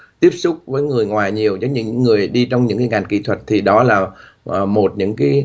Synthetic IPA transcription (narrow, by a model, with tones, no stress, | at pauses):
t̪i˦˥əp̚sʊ˦˥k͡p̚vəː˨˦jŋɨ˨˩əjŋwaː˨˩jɲi˨˩əwzɔ˨˦ɲɨ̰˧˥ŋ˧˥ŋːɨ˨˩əjɗi˧t͡ɕɔ˧wŋ͡mɲɨ̰˧˥ŋkaː˨˦ŋa˨˩jŋ̟kḭ˧˥t̪ʰwə˨˩t̚t̪ʰi˨˩ɗɔ˨˦laː˨˩ | ʔmo˨˩t̚ɲɨ̰˧˥ŋkaː˨˦